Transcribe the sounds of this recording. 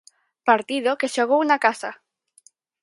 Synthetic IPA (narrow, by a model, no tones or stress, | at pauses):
paɾt̪iðokeʃoɣ̞ownakasa